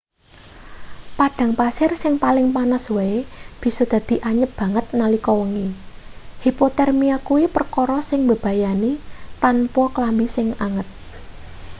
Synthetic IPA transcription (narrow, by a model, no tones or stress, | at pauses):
paɖ̥ä̤ŋpasɪrsɪŋpalɪŋpanasweeb̥i̤sɔd̪̥ä̤d̪̥i̤ʔaɲəp̚b̥ä̤ŋət̪̚nalikɔwəŋi | hipot̪ɛrmiakuwipərkɔɾɔsɪŋbə̤b̥ä̤janit̪anpɔklambisɪŋaŋət̪̚